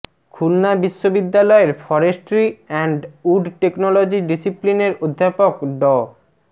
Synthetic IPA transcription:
kʰulnabiʃːobid̪ːalɔeɾfɔɾeʃʈɾiɛɳɖuɖʈeknolod͡ʑiɖisiplineɾod̪ʱːapokɖɔ

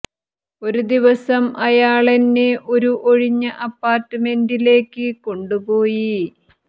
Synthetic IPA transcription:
o̞ɾud̪iʋɐsɐmʔɐjaːɭenːeʔo̞ɾuʔo̞ɻiɲːɐʔɐpːaːrtːɐme̞ndile̞ːkːɨko̞ɳɖupoːji

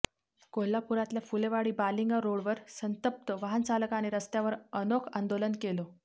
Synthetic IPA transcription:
kolːapuɾat̪ljafuleʋaɽiːbaliŋɡaɾoɽʋəɾsənt̪əp̚t̪əʋaɦənt͡salkaneɾəst̪jaʋəɾənokʰand̪olənkelo

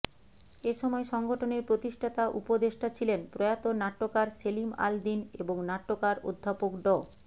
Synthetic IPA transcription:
eʃɔmɔeʃɔŋɡoʈʰoneɾpɾot̪iʃʈʰat̪aʔupod̪eʃʈʰat͡ɕʰilenpɾojat̪onaʈːokaɾselima̰ld̪inḛboŋnaʈːokaɾo̰d̪ʱːapokɖɔ

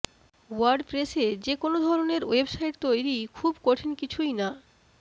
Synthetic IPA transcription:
waɾɖpɾesed͡ʑekonod̪ʱɔɾoneɾwebsajʈt̪ojɾikʰubkoʈʰenkit͡ɕʰujna

